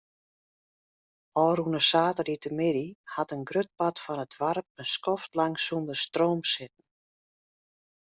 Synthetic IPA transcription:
ɔːɾunəsaːtəritəmɪɾihatənɡrøt̚patfɔnətʋarp̚ənskɔftlaŋsundərstroːmsɪtn̩

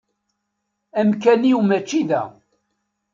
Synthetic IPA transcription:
æmkæniumæt͡ʃːiðæ̰

